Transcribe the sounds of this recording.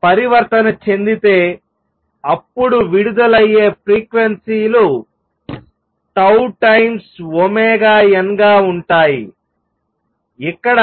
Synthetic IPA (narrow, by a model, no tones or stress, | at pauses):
pɐɾiʋɐɾt̪ɐnɐt͡ʃe̞nd̪it̪e̞ː | ɐpːuɽuʋiɽud̪ɐlɐjːeːpɾiːkʋensiːlu | ʈɐwʈɐjmsomɛːɡaːjɐŋɡaːuɳʈaːji | ikːɐɽɐ